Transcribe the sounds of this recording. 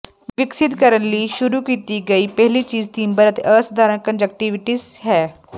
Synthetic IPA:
ʋɪksɪt̪kəɾənliːʃʊɾukiːt̪iːɡɐiːpɛɦlit͡ʃiːzt̪iːmbəɾət̪ʔəːsd̪ʱaːɾənkə̃nd͡ʒək̚ʈiʋɪʈiːsɦɛː

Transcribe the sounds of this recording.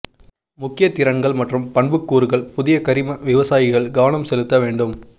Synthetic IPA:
mʊkːɪjɐt̪ːɪɾɐŋɡɐɭmɐʈrɯmpɐɳbɯkːuːɾɯɣɐɭpʊðɪjɐkɐɾɪmɐʋɪʋɐsaːjɪɣɐɭɡɐʋɐnɐmsɛlɯt̪ːɐʋeːɳɖɯm

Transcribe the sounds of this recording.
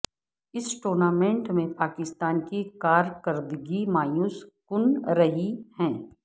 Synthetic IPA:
ɪsʈoːɾnaːmẽɳʈmẽpaːkɪst̪aːnkikaːɾkəɾd̪ɡimaːjuːskʊnɾɐɦihɛ̃ː

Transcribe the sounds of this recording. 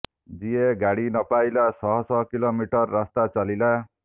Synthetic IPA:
d͡zijeɡaɽinʌpajlasʌɦɔsʌɦkilomiʈʌrːast̪at͡salila

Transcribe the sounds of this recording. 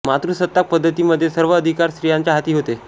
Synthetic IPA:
mat̪ɾusət̪ːak̚pəd̪ʱːət̪iːməd̪ʱːjesəɾʋəːd̪ʱikaɾsɾijaɲt͡ɕjaɦat̪iːɦot̪e

